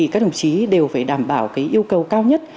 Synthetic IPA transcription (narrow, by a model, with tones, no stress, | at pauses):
i˨˩kaː˦˥k̚ɗə̰˨˧˩ŋ͡mt͡ɕi˨˦ɗe˨˩wfaː˧˩jɗaː˧˩mɓaː˧˩wkaː˨˦jʔi˧əwkə˨˩wkaː˧wɲə˦˥t̚